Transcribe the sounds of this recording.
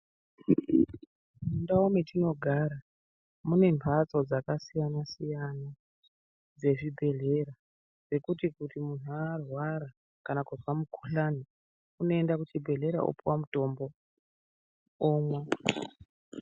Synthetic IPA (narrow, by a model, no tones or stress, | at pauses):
undaome̞tino̞ɡʱaɾa | mune̞mpʰat͡so̞d͡zakasijanasijana | d͡ze̞ʐibʱe̞ɮe̞ɾa | d͡ze̞kutikutimun̤uaːrwaɾa | kanakurwamukʰuɬani | uno̞e̞ndakut͡ʃibʱe̞ɮe̞ɾa̰ʔo̰puwamuto̞mbo̞ | oːmwa